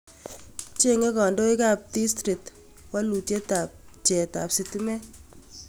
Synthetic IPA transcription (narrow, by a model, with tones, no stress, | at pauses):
t͡ʃe˦ŋe˦kɔ˨ndo˦i˦ka˦p̚di˦stɾi˨t | wa˦lu˨tje˦ta˨p̚t͡ʃɛ˨ta̰˨psi˦ti˦mɛ˦